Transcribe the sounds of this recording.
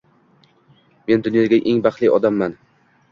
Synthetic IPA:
me̞nd̪ʊnjɒɡʲaʔeŋbɑχt̪lˠiʔɒd̪amːan

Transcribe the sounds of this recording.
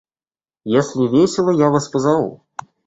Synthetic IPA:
jasʲlʲivʲesʲɛlˠɐjavaspɐzavṵ

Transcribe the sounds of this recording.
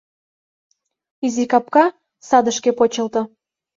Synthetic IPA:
izikɑp̚kɑ | sɑd̪əʃkepot͡ɕə̆lt̪ɤ̆

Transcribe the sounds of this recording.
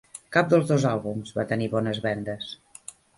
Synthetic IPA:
kap̚d̪əlˠzðozalˠβumzβat̪əniβɔnəzβɛnd̪əs

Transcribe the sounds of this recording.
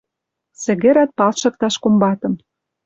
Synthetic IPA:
sɘ̆ɣĕɾæt̪̚pɑlʃɤ̆k̚t̪ɑʃkombɑt̪ɤ̆m

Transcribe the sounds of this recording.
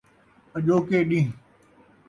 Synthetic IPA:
əʄoːkeːɗĩː

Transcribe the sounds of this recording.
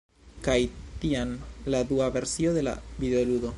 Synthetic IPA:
kajt̪ianlad̪uave̞ɾsioðe̞la̰vid̪eoludo̞

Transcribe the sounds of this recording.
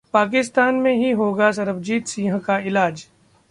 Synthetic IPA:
paːk̬ɪst̪aːnmẽɦiɦoːɡas̬ɐɾəbd͡ʒiːd̪sĩːɦə̃kaɪlaːd͡ʒ

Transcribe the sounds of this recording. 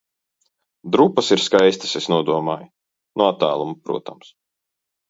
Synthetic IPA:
d̪ɾupːɐsiɾskajst̪ɐ̥sesnuɔd̪uɔmaːj | nuat̪ːæːlˠumupɾṵɔt̪a̰ms

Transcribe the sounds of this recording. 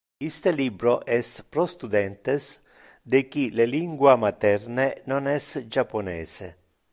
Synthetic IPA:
ist̪elibɾoʔɛspɾost̪ud̪ɛnt̪es | d̪ekileliŋɡwamat̪ɛrnenonɛsd͡ʒapːonɛ̰ːsḛ

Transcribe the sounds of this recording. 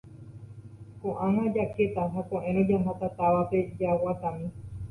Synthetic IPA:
kõʔãɦãd͡ʒaket̪aɦakõʔẽɾõd͡ʒaɦãt̪at̪aʋape̞d͡ʒawat̪amĩ

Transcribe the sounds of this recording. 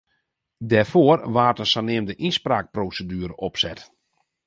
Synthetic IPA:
dɛrfoərʋaːrtənsanɪəmdəʔinspraːk̚prowsədyːəɾəʔɔpsɛt

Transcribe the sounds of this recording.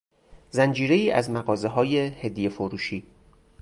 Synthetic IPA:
zænd͡ʒiːɾe̞iːʔæzmæɣɒːze̞ɦɒːjehed̪ijefoɾuːʃiː

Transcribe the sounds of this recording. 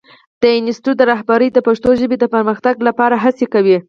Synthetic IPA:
d̪̥əɪnɪsʈud̪əɾɑɦbaɾəjd̪əpaʂt̪oʒəbed̪əpəɾməxt̪aɡlapɑɾaɦasekawi

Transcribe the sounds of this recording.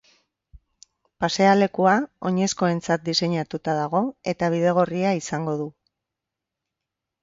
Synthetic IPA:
pase̞ale̞kuao̞ɲe̞sko̞e̞nt͡sat̪̚d̪ise̞ɲat̪ut̪aðaɣ̞o̞e̞t̪aβ̞ið̞e̞ɣ̞o̞riaisaŋɡo̞ðu

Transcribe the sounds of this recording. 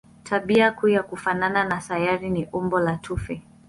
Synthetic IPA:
tʰaɓiakujakufanananasajaɾiniʔumbɔlatʰufɛ

